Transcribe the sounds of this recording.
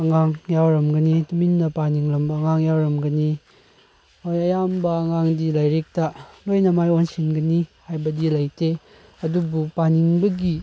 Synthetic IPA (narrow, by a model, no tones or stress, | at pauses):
ɐŋaŋjawɾɐmɡɐnituminːɐpaniŋɾɐmbɐːŋaŋjawɾɐmɡɐni | ojɐjambɐɐŋaŋdilajɾek̚tɐlojnɐmajonsinɡɐnihajbɐdilɐjte | ɐdubupaniŋbɐɡi